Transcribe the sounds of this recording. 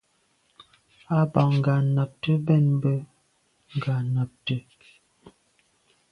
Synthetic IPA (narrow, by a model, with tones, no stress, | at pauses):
a˦ba˨ŋ̩˨ɡa˨na˨p̚tə˦bɛ˦˨nm˦bə˦ | ŋ̩˨ɡa˨na˨p̚tə˦